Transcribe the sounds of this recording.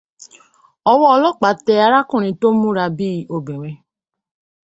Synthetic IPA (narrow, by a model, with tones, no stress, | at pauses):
ɔ˧wɔ˦ɔ˧lɔ˦k͡pa˨˦tɛ˧a˧ɾa˦kũ˦˨nĩ˧to˦mũ˦ɾa˧bi˦o˧bĩ˨we˧